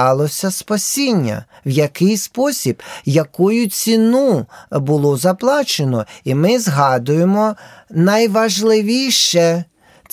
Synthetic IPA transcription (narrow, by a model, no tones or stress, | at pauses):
ɑlˠɔsʲɐspɐsʲinʲːɐ̰ | wjɐkɪjspɔsʲibjɐkujʊt͡sʲinubʊlˠɔzɐplˠɑt͡ʃenɔimɪzɦɑd̪ʊjemɔnɐjʋɐʒlˠɪʋʲijʃɛ